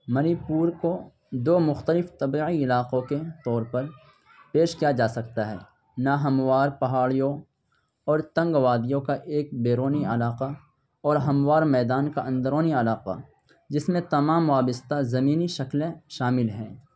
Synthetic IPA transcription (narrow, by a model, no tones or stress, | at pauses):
mɐnipuːɾko | d̪oːmʊxt̪əlɪft̪ɐbiiɪlaːqõket̪ɔːɾpɐɾ | peːʃkijad͡ʒaːsɐkt̪aɦɛ̰ː | naɦɐmwaːɾpɐɦaːɭijõ | ɔːɾt̪ɐ̃ŋɡʋaːd̪ijõkaʔeːk̚beːɾoːniɐlaːqa | ɔːɾɦɐmwaːɾmɛːd̪aːnkaʔɐ̃nd̪əɾoːniɐlaːqa̰ | d͡ʒɪsmẽt̪ɐmaːmʋaːbəst̪azɐmiːniʃɐklẽʃaːmɪlɦɛ̰̃ː